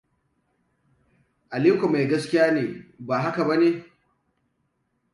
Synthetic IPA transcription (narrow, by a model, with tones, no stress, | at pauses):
ʔa˨liː˦kʷa˨ma˨jɡɐ˦skʲɪ˦jaː˦neː˨baː˨ɦa˦ka˨bɐ˦neː˦